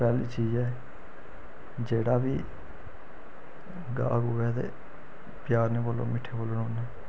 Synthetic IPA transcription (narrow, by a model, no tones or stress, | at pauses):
pɛːliːt͡ʃiːd͡ʒɛː | d͡ʒeːɽaːbiː | ɡa̰ːɡʊʋɛːt̪ḛː | pɪjaːɾnẽːpolːo̰ːmɪʈʰːeːboːlonoːnɛː